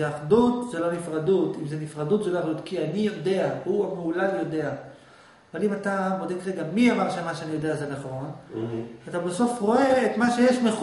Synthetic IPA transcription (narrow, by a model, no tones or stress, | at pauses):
eaχdutzelo̞nifʁadutimzenifʁadutzeloaχdut̪kianijo̞de̞ahuameulaljo̞de̞a | avalimatamo̞deɡʁeɡamiamaʁʃamaʃeanijo̞de̞azenaχʁo̞natabeso̞fʁo̞e̞ːtmaʃe̞jeʃmeχ